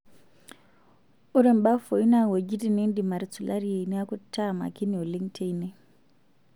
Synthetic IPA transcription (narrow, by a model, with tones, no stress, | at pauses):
u˦ɾe˦˨mba˦fo˨i˦na˦wo˨d͡ʒi˦ti˦˨ne˦ndi˨ma˨ɾi˨t͡su˨lʔa˦ɾi˦e˨ni˦a˦ku˦tʰːa˦ma̰˨ki˦ni˨o˨li˦ŋtʰe˦i˦ne˦